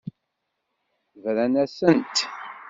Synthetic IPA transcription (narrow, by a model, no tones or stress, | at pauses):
vɾænæsənt̪